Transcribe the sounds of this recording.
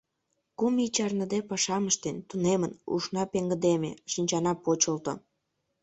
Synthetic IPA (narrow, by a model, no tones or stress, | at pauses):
kumit͡ɕɑrnə̆d̪epɑʃɑməʃt̪ent̪unemənṵʃnɑpeŋɡəd̪emḛʃinʲt͡ɕɑnɑpot͡ɕəlt̪o̰